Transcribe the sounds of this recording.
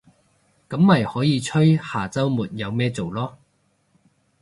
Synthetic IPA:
kɐ˨˥mmɐ˨jhɔː˨˥jiː˨˧t͡ʃʰɵ˥ɥhaː˨˩t͡sɐ˥wmuː˨t̚jɐ˨˧wmɛː˥t͡so˨˩wlɔː˥

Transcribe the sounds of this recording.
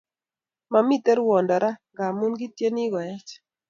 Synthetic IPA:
ma˨mi˦tɛ˦ɾwɔ˨nda˨ɾa˦ŋɡa˨mu˦nɡɪ˦tje˦ni˦ɡɔ˨jɛ˦t͡ʃ

